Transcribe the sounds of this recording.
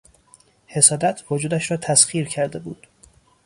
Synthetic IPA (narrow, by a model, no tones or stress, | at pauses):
he̞sɒːd̪æt̪ʰvod͡ʒuːd̪æʃɾɒːt̪ʰæsχiːɾcʰæɾd̪e̞bṵːd̪̥